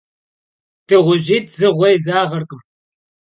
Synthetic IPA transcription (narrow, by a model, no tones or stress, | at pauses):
tʰɨʁʷʊʑiːtʰzɨʁʷɐjzaːʁɐrkʼɨm